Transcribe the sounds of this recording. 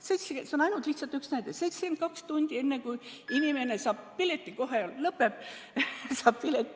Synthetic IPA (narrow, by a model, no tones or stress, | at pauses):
sejt̪seeseonɑjnult̪liht̪sɑlt̪ːyksnæjd̪ese̞jt̪skent̪kɑkst̪unʲd̪̥ie̞nːekujinime̞ne̞sɑːb̥pilet̪ˑːiko̞ɦeollɤpːep | sɑːb̥pilet̪ːi